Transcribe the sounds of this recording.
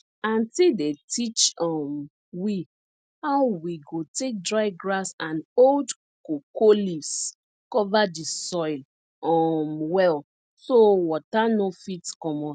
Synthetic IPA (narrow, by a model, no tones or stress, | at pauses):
ãntidetit͡ʃɔm | wi | haʊwiɡotek̚dɹaɪɡɹasãnold | kokolivs | kɔvadisɔɪl | ɔmwɛl | sowɔtanofitkɔmɔ̃